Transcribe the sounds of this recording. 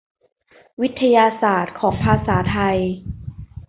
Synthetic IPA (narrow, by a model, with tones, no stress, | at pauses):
wi˦˥t̪ʰːa˧jaː˧saː˨˩t̪̚kʰɔː˩˦ŋpʰaː˧saː˩˦t̪ʰa˧j